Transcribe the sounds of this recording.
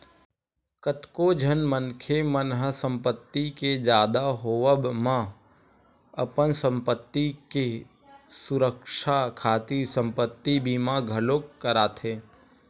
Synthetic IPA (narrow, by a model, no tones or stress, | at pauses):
kət̪kod͡ʒʱənmənkʰemənɦəsə̃mpət̪ːiked͡ʒaːd̪aɦoːəbmã | əpənsə̃mpət̪ːike | sʊɾəkʃakʰaːt̪isə̃mpət̪ːibimãɡʱəloːkkəɾaːt̪ʰeː